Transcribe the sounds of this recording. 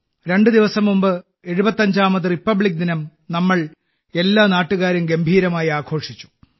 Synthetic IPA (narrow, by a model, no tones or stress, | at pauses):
ɾe̞ɳɖɨd̪iʋɐsɐmːumbɨ | e̞ɻubɐt̪ːɐɲd͡ʑaːmɐðɨripːɐbɭik̚ːd̪inɐmnɐmːɐɭ | e̞lːaːnaːʈːuɣaːɾjumɡembʱiːɾɐmaːjiaːkʰo̞ːʂit͡ɕːu̥